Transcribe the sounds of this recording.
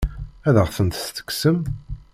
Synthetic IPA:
æðəʁθənt̪st̪ə̥ksəm

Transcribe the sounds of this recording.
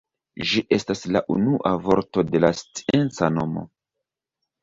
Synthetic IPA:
ʒiʔe̞staslaʔṵnuʔavo̞ɾto̞de̞last͡si̥e̞nt͡sano̞mo̞̰

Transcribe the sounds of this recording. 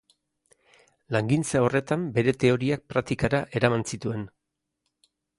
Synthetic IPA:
laŋɡint͡sao̞re̞t̪ambe̞ɾe̞t̪e̞o̞ɾiak̚pɾak̚t̪ikaɾaʔe̞ɾamansit̪ue̞n

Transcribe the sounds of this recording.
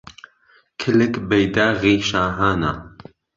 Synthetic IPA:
kʰɪlɪkbɛjd̪aːɣiːʃaːɦaːnaː

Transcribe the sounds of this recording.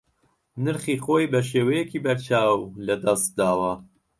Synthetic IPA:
nɨɾχiːxoːjbɐʃ̬eːwɐjekʰiːbɐɾt͡ʃʰaːwlɐd̪ɐst̪̚d̪aːwɐ

